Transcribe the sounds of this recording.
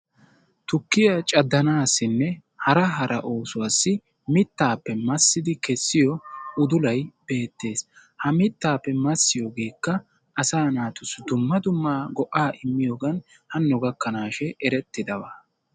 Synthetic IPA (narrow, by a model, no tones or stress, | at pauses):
t̪ʊkːɪjat͡ʃʼɐd̪ːɐnaːsːɪnːɛ | hɐɾɐɦɐɾʔɐ̰ʔo̞ːsʊwaːsːɪ | mɪt̪ːaːpːɛmɐsːɪd̪ɪkɛsːɪjɔʊd̪ʊlɐjb̥e̞ːt̪ːe̞ːshɐmɪt̪ːaːpːɛmɐsːɪjoːɡeːkːɐ | ɐsaːnaːt̪ʊsd̪ʊmːɐd̪ʊmːaːɡɔʔaːʔɪmːɪjoːɡɐn | hɐnːɔɡɐkːɐnaːʃɛʔɛɾɛt̪ːɪd̪ɐwaː